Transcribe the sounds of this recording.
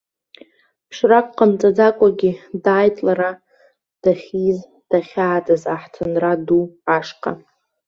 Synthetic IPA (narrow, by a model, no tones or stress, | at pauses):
ʂrakʷʼqːamt͡sʼad͡zakʷʼaɡʲidaːjtʼlaɾa | d̥aχʲiz | d̥aχʲaːt͡sʼɨzaħtʰɨnraduaʂqʰʼa̰